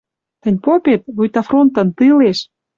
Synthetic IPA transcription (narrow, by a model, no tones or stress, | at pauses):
t̪ə̆nʲpopet̪̚βujt̪ɑfront̪ə̆nt̪ɨleʃ